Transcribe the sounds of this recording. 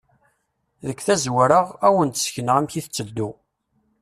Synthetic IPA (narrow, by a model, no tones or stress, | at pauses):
ðəkːθæzwəɾəʁæwənt̪ə̥sçənəʁæmçiθət͡sːəd̪ːu